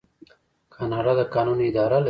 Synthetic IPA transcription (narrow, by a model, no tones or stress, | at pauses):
kʰɑnɑɖɑd̪əkɑnuniɪd̪ɑɾal